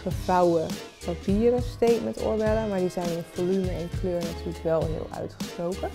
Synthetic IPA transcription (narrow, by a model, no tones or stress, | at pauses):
χəfɑwəpapiːəɾəstejtmɛntʊ̰ɹbɛləmaːɹdizɛjnɪnvolyməɛnkløːɹnatyːləkʋɛlˠɦɪ̰ːlˠœ̰ɥtχə̥sprowkə